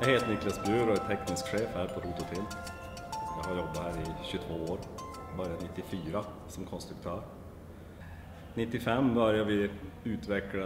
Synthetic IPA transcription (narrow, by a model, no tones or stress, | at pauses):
jɑheːt̪nɪklasbɾʉːɾɔɛt̪ʰːɛknɪskɧeːfhæːɾpʰɔɾuːt̪ʊt̪ʰɪl | ʋɪhaɾjɔbːat̪hæːɾɪɕɵt̪ʰvoːoːɾ | bœɾjanɪt̪ːɪfyːɾa | sɔmkʰɔnst̪ɾɵk̚t̪ʰøːɾ | nɪt̪ːɪfɛmːbœɾjaʋɪʉːt̪vɛkɽa